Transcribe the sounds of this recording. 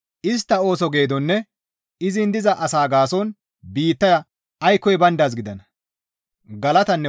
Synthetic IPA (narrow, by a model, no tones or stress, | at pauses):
ʔɪst̪ːɐo̞ːsɔɡe̞ːd̪ɔnːɛ | ɪzɪnd̪ɪzɐʔɐsaːɡaːsɔn | biːt̪ːɐjɐ | ɐjkːɔjbɐnd̪aːs̬ɡɪd̪ɐnɐ | ɡɐlɐt̪ɐnːɛ